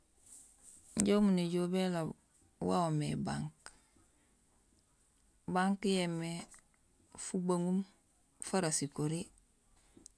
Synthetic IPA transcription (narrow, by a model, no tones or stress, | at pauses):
ɲɟoumuneɟobela | wa̰omeba̰ŋk | baŋkjeme | fubaŋum | faɾasikoɾi